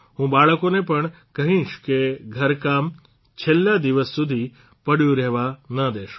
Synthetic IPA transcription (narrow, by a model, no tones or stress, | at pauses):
ɦũbaɭkonepəɳ | kəɦĩʃkeɡʱəɾkam | t͡ʃʰelːad̪iʋəsːud̪ʱi | pəɽjũɾɛɦʋanəd̪eʃ